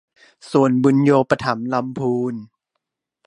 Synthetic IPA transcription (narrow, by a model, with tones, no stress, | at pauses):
su˨˩ənbu˧njoː˧pa˧t̪ʰa˩˦mla˧mpʰuː˧n